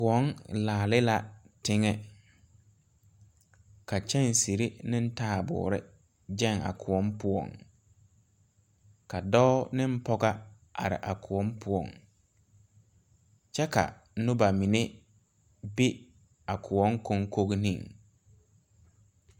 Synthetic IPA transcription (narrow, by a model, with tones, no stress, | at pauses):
kʊ˨ɔ˦ŋlaː˨lɪ˦la˨ | tɪ˦ŋɛ˦ | ka˨t͡ʃɛ˦˨n˨si˨ɾi˦nɪ˦n̩˦taː˦˨bʊ̰ː˨ɾɪ˦ | d͡ʒɛ˦˨ŋa̰˨kʰʊ˨ɔ˦mpʊ˦ɔ̰˨ŋ | ka˨dɔ˦nɪ˦m̩˦pɔ˦ɡa˦ | a̰˨ɾɪ̰˨ʔa˨kʰʊ˨ɔ˨˦mpʰʊ˦ɔ̰˨ŋ | t͡ʃɛ˦ka̰˨ | nʊ˦ba˨mi˨ne˦ | bɪ˦ | a˨kʰʊ˨ɔ˦ŋkɔ˦ŋko˦ɣnḭ̃˦˨ŋ